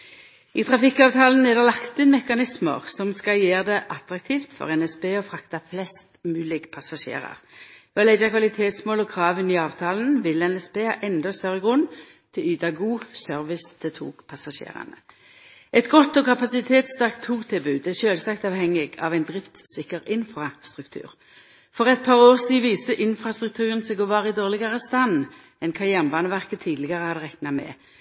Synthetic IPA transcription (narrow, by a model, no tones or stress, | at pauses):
iːt̪ʰʁɑfɪkːɑːʋt̪ʰɑːln̩nɛd̪ɛʁlɑkt̪ɪnmɛkɑnɪsmə̰ʁsɔmskɑjeːʁd̪ɛʔɑt̪ʁɑk̚t̪ʰiːft̪fɔ̰ʁɛnɛspeːɔfʁɑkt̪ɑflɛst̪mʉːlɪɡpʰɑsɑʃḛːʁɑ̰ʁʋɛɔlɛd͡ʒɑkʰʋɑlɪt̪ʰeːt̪smoːlɔkʰʁɑːʋənɪɑːʋt̪ʰɑːln̩ʋɪlɛnɛspeːɑ̰ʔɛnd̪ɔst̪œʁəɡʁʊn | t̪ʰɪlyːd̪ɑɡuːsœʁʋɪst̪ʰɛt̪ʰṵːɡpʰɑsɑʃḛːʁɑ̰nə̰ | ʔɛt̪ɡɔt̪ːɔkʰɑpɑsɪt̪ʰeːt̪st̪ɑʁkt̪ʰːuːɡt̪ʰɪlbʉːɛʃøːlsɑkt̪ɑːʋhɛŋːɪɡɑʋæɪnd̪ʁɪft̪sɪkəʁɪnfʁɑst̪ʁʉkt̪ʰʉ̰ːʁ | fɔʁɛt̪̚pʰɑːʁoːʁsiːʋiːsəʔɪnfʁɑst̪ʁʉk̚t̪ʰʉːʁənsɛːɡoːʋɑːʁɪd̪oːʁlɪɡɑʁəst̪ɑn | ɛnkʰɑʁjæːʁnbɑːnəʋæʁkət̪ʰiːd̪lɪɡəʁəhɑd̪əʁɛknɑmɛ̰ː